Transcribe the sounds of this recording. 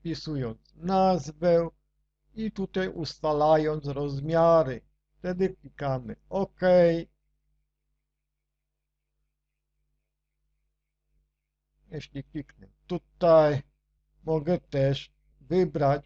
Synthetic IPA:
pʲisujɔnt̪snazvɛ | it̪ut̪ajust̪alajɔnt̪sɾɔzmʲjaɾɘ | ft̪ɛd̪ɘklʲikamɘɔkɛj | jɛɕlʲiklʲiknɛt̪ut̪aj | mɔɡɛt̪ɛʂ | vɘbɾat͡ɕ

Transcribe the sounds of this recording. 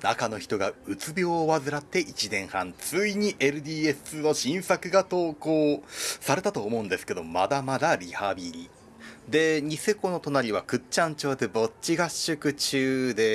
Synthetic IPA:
nakano̞çi̥t̪o̞ɡaɯ̟t͡sɨbʲo̞ːβazɨɾat̪ːe̞ʔit͡ɕinẽ̞ɰ̃hã̰nt͡sɨiɲ̟iʔe̞ɾɯ̟d̪ʲiːesɨno̞ɕĩɰ̃sakɯ̟ɡat̪o̞ːkoːsaɾe̞t̪at̪o̞ːmo̞ɯ̃nd̪e̞sɨ̥ke̞d̪o̞ma̰d̪amad̪aɾʲihabʲiɾʲi | d̪e̞ɲ̟ise̞ko̞no̞t̪o̞naɾʲiβ̞akɯ̟tt͡ɕãɲt͡ɕo̞ːd̪e̞bo̞tɕiɡaɕːɨkɯ̟t͡ɕɨːd̪e̞

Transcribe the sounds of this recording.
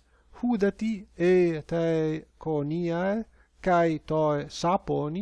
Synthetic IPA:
hud̪at̪iet̪akoniae | kajt̪ɔesaponi

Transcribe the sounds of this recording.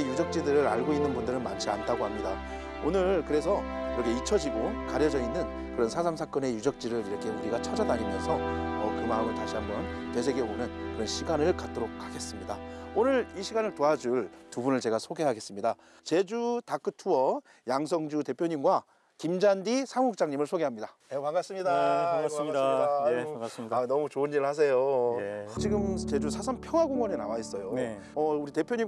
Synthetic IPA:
ejud͡ʑʌk̚t͡ɕ͈idɯɾɯɾaɭɡoinːɯnbundɯɾɯnmant͡ɕʰia̰ntʰaɡoɦamɲida | onɯɭkɯɾe̞s̬ʰʌ | iɾʌkʰe̞it͡ɕʰʌd͡ʑiɡokaɾjʌd͡ʑʌinːɯn | kɯɾʌnsʰad͡ʑamsʰak͈ʌne̞jud͡ʑʌk̚t͡ɕ͈iɾɯɾiɾʌkʰe̞uɾiɡat͡ɕʰʌd͡ʑadaɾimjʌnsʰʌ̰ːkɯmaɯmɯɭtaɕʰiɦambjʌnkes̬ʰe̞ɡe̞onɯnkɯɾʌnɕʰiɡanɯɭkat̚t͈oɾok̚haɡe̞s͈ɯmɲidaonɯɭiɕʰiɡanɯɭtoad͡ʑuɭtubunɯɭt͡ɕe̞ɡasʰoɡe̞ɦaɡe̞s͈ɯmɲida | t͡ɕe̞d͡ʑutak͈ɯtʰuʌ | jaŋsʰʌŋd͡ʑute̞pʰjoɲimɡwa | kimd͡ʑandisʰaŋuk̚t͡ɕ͈aŋɲimɯɭsʰoɡeɦamɲida | ekaŋɡas͈ɯmɲidaasadas͈anʌmut͡ɕoɯnːiɾɯɭhas̬ʰe̞jo | t͡ɕiɡɯmt͡ɕe̞d͡ʑusʰasʰampʰjʌŋɦwaɡoŋwʌnenawais͈ʌjo | ʌuɾite̞pʰjoɲi

